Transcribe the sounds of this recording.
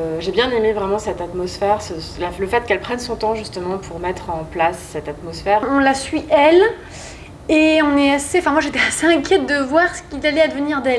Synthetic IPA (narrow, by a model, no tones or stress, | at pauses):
øʒebjɛ̃nemevʁɛmɑ̃sɛt̪at̪mɔsfɛʁsəlaləfɛt̪̚kɛlpχɛnsɔ̃t̪ɑ̃ʒyst̪əmɑ̃pʰuʁmɛt̪χɑ̃plasːɛt̪at̪mɔsfɛːʁɔ̃lasɥiʔɛl | eɔ̃nɛaseɑ̃fɛ̃mwaʒet̪ɛaseɛ̃kʲjɛt̪̚d̪əvwaʁsə̥kilalɛad̪əvəniʁd̪ɛl